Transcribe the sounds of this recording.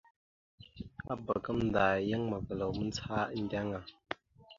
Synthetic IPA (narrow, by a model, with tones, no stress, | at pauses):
a˦bə˨kə˦mn̩˨daː˨jə˦ŋmə˨və˨lə˨wmɨ˦n˦t͡sa˦n̩˨dʲa˦ŋa˨